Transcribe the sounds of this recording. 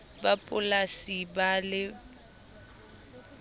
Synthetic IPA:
bapʼʊlasibalɪ

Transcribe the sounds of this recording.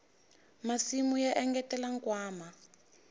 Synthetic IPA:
masimujaʔɛŋɡɛtɛlaŋkwaːma

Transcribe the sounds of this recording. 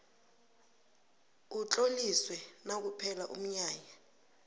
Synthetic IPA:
ut͡ɬʼoliswɛnak̬upʰɛlaʔṵm̩ɲaːja

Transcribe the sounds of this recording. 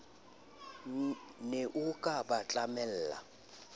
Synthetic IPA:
neʔukʼabat͡ɬʼamɛl̩ːla̰

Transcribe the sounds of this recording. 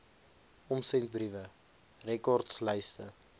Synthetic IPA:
ɔmsɛnt̚brivə | rɛkɔrtsləjstə

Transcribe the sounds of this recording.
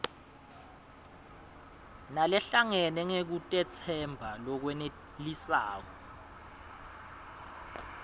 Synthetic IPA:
nalɛɬaŋɛnɛŋek̬utʼɛt͡sʰɛmbʱalɔk̬wɛne | lisa̰ːkɔ

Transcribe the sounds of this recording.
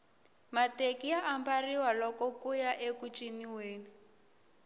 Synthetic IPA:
matekiaʔambariwalɔkɔkujaʔekut͡ʃʼiniweːni

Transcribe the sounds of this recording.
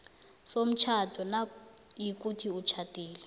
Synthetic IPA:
som̩t͡ʃʰad̥ʰʱɔnajik̬utʰiut͡ʃʰatʼiːlɛ

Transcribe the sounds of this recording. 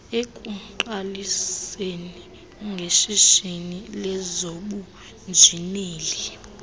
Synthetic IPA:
ekʼuǃaliseni | ŋɡʱeʃiʃinilɛzoɓu | nd͡ʒʱineːli

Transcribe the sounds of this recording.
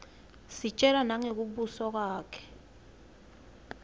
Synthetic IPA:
sit͡ʃʼɛlanaŋek̬uɓusɔk̬waːkʰɛ̥

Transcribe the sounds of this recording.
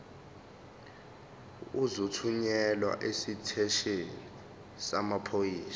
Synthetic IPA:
uzutʰuɲɛlwa̰ʔesitʰɛʃeni | samapʰojiːsḁ

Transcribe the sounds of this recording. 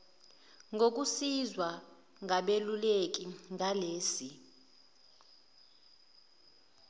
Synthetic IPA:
ŋʱok̬usizwa | ŋʱaɓelulek̬ʼiŋʱaleːsi

